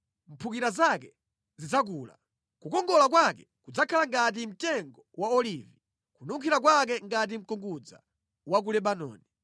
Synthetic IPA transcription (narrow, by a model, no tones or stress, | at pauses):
m̩pʰukiɾazakɛ | zid͡zak̬uːla̰ | kukɔŋɡɔlak̬wakɛ | kud͡zakʰalaŋɡat̬im̩tɛŋɡɔwaɔlivi | kunuŋkʰiɾak̬wak̬ɛŋɡat̬im̩kɔŋɡud͡za̰ | wak̬ulɛɓanɔ̰ːni